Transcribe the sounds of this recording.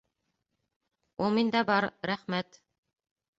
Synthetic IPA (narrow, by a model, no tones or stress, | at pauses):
ulˠmind̪æbɑɾɾæχmæt̪